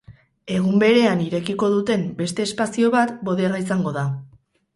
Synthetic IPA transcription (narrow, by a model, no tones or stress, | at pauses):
e̞ɣ̞umbe̞ɾe̞aniɾe̞kiko̞ðut̪e̞mbe̞st̪e̞ːspasio̞βat̪bo̞ðeɣais̬aŋɡo̞ð̞a